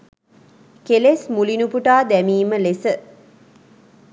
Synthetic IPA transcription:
kelesmulinupuʈaːd̪æmiːməlesə

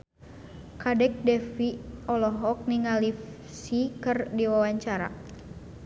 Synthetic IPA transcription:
kadɛk̚dɛfiɔlɔɦɔk̚niŋalif | sikərdiwawaɲt͡ʃaɾa̰

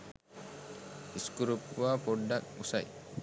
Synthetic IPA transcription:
iskuɾupʋaːpʰoɖːak̚musaj

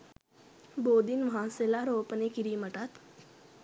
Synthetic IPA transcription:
boːd̪inʋɦãselaɾoːpənekiɾiməʈat̪

